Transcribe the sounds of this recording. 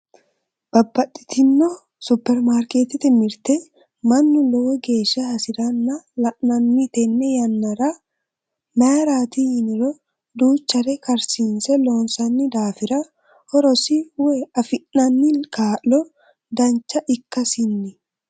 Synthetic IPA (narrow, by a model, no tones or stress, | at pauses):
b̥ɐbːɐt̪ːɪ̥t̪ɪnːɔ | sʊpːɛɾmaːɾket̪ɪt̪ɪmɪɾt̪ɛ | mɐnːʊlɔwɛɡe̞ːʃːɐhɐsɪɾɐnːɐlɐkʼnɐnːɪt̪ɛnnɛjɐnːɐɾɐ | maːɾaːt̪ihɪnɪɾɔ | d̪uːt͡ʃːɐɾɛkɐɾsiːnsɛloːnsɐnːɪd̪aːfɪɾɐ | hɔɾɔsɪwɛɐfɪnːɐnːɪkaːlːɔ | d̪ɐnt͡ʃːɐʔɪkːɐsɪnːɪ